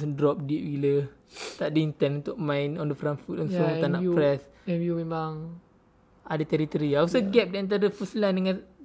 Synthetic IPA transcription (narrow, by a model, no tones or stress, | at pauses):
sdɾɔp̚diʔwilət̪aʔdəint̪ɛnunt̪ʊʔ̚mãinɔndəfɾanfut̪ɔ̃nsɔt̪anaʔpɾɛsɛvjumemaŋ | adət̪ɛɾit̪ɔɾiausəɡɛp̚diant̪̬aɾəfuslandəŋãn